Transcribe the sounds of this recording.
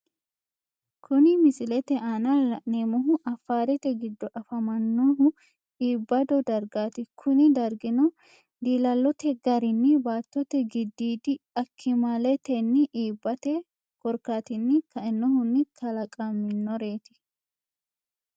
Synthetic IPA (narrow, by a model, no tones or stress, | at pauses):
kʰʊnɪmɪsɪlɛt̪ɛʔaːnalɐneːmɔɦʊʔɐfːaːɾɛt̪ɛɡɪd̪ːɔʔɐfɐmɐnːɔɦʊ | iːbːɐd̪ɔd̪ɐɾɡaːt̪ɪkʰʊnɪd̪ɐɾɡɪnɔ | d̪iːlɐlːɔt̪ɛɡɐɾɪnːɪbaːt̪ːɔt̪ɛɡɪd̪ːiːd̪ɪɐkʰːɪmalɛt̪ɛnːɪʔiːbːɐt̪ɛ | kɔɾkaːt̪ɪnːɪkɐɪnːɔhʊnːɪt̪ʰɐlɐkʼɐmːɪnːɔɾe̞ːt̪ɪ̥